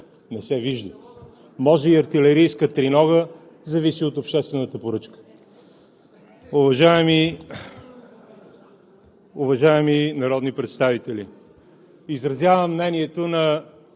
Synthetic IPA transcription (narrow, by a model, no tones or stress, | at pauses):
nɛsɛviʒd̪ə | mɔʒɛiɐɾt̪ilɛɾijskət̪ɾinɔɣə | zɐvisiot̪opʃt̪ɛst̪vɛnət̪əpoɾɤt͡ʃkə̥ | ʊvɐʒaɛmi | ʊvɐʒaɛminɐɾɔd̪nipɾɛt̪st̪avit̪ɛli | izɾɐzjavəmːnɛniɛt̪onɐ